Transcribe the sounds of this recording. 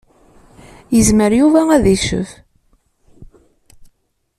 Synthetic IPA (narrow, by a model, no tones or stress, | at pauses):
jəzməɾjuvææðiʃə̰v